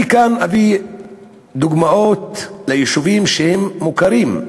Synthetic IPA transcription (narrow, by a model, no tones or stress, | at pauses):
ikanavi | d̪uɡmaot̪lejiʃuvimʃehemːukaɾim